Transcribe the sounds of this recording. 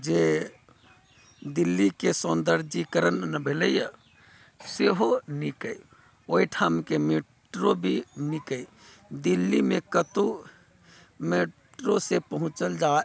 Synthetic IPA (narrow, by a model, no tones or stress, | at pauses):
d͡ʒe | d̪ilːikesond̪əɾd͡ʒikəɾənːəbʱeləjə | seɦonikəi | oiʈʰaːmkeme | ʈɾobʱinikəi | d̪ilːimẽkət̪u | meʈɾosepəɦʊ̃t͡ʃəld͡ʒa